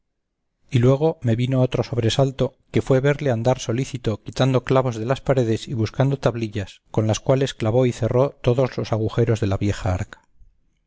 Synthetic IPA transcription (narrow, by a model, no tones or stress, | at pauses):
ilwe̞ɣ̞o̞me̞βino̞ot̪ɾo̞so̞β̞ɾe̞salt̪oke̞fwe̞βe̞ɾleand̪aɾso̞liθit̪okit̪and̪o̞klaβo̞zðe̞laspaɾe̞ð̞e̞siβuskand̪o̞t̪aβliʎasko̞nlaskwale̞sklaβo̞iθe̞ro̞t̪o̞ðo̞zlo̞saɣ̞uxe̞ɾo̞zðe̞laβje̞xaa̰ɾkḁ